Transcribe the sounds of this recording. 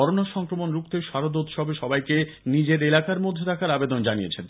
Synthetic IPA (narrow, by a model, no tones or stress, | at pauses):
ɔɾonaʃɔŋkɾomonɾukt̪eʃaɾod̪ot̪ʃɔbeʃɔbajke | nid͡ʑeɾelakaɾmod̪ʱːet̪ʰakaɾabed̪ond͡ʑanijet͡ɕʰen